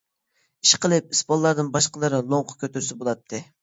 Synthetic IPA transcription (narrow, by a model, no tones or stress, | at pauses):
iʃqəlˠɨp̚ispɑlˠːɑɾd̪ɨnbɑʃqəlˠɨɾɨlˠoɴqʰʊ̥kʲʰøt̪yɾsɪbolˠɑt̪ʰːɨ